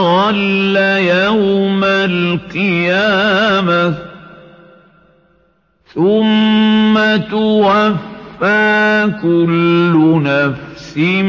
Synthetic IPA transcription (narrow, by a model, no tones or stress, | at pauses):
walːajawmalqɨjaːma | θʊmːat̪ʊwafːaːkʊlːʊnafsɪ